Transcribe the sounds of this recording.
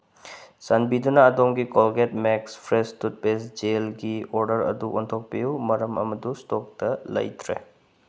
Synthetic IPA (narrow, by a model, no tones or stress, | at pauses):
sɐnbidunɐːdoŋɡikolɡet̚mekspʰɾestut̚besd͡ʒelɡioɾdəɾɐ̰duʔontʰok̚pijumɐɾɐmɐ̰mɐdustok̚tɐlɐ̰jtʰɾḛ